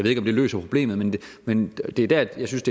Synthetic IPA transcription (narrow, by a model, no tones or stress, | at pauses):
jeðˠeɡ̥ɒ̽md̥e̝lø̰ːsɐpʰʁo̝b̥le̝̰ːmð̞̩ˠmenmend̥e̝ɐd̥æɐ̥jɑ̈ɪsynsd̥e̝